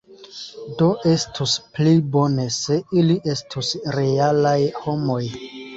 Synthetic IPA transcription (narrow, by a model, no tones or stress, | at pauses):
do̞ʔe̞stʰusplibo̞ne̞se̞iliʔe̞stʰusɾe̞alajho̞moj